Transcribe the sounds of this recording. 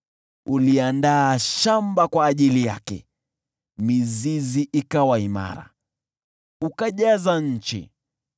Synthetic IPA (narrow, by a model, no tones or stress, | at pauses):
uliandaːʃambakwaːʄilijakɛ̰ | miziziʔikawaima̰ɾa̰ | ukaʄazaɲ̩t͡ʃḭ